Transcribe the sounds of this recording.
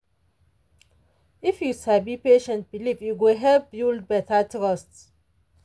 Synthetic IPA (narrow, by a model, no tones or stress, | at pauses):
ifjusabipeʃɛ̃nt̚bilivjuɡuɦɛvbjuld̚bɛtʰatɹɔst